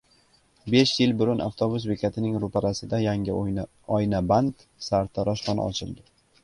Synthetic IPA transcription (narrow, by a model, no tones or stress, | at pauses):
be̞ʃjɪlbʊɾʊnʔa̰ft̪ʰobʊsvekʲʰat̪ʰɪnɪŋɾʊpʰaɾasɪd̪ajaŋʲɪ | ɒjnaband̪ | saɾt̪ʰaɾɒʃχɒnɪ̰ɒ̰t͡ʃʰɪlˠd̪ɪ